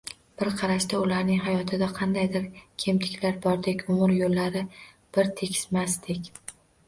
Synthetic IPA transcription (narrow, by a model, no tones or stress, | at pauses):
b̥ɪɾqʰɑɾaʃd̪aʊlaɾnɪŋɦajɒt̪ʰɪd̪aqʰɑnd̪ajd̪ɪɾkʲʰe̞mt̪ʰɪ̥kʲlaɾbɒɾd̪ekʲʊmʊɾjolːaɾɪ | b̥ɪɾt̪ʰe̞kʲʰɪ̥smast̪ɪkʲ